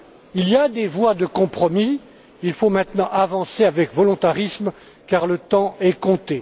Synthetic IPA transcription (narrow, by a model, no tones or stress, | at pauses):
iliad̪evwad̪əkɔ̃pχɔmi | ilfomɛ̃t̪nɑ̃ʔavɑ̃seavɛkvɔlɔ̃t̪aʁism | kaʁlət̪ɑ̃ɛkɔ̃t̪e